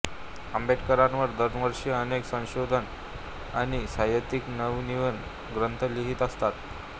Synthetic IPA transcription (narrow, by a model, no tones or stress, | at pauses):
əmbʱeʈkəɾãnʋəɾd̪əɾnʋəɾʂiəneksə̃w̃ɕod̪ʱən | aɽ̃isajət̪iknəʋniʋən | ɡɾənt̪ʰəleɦiːt̪əst̪at̪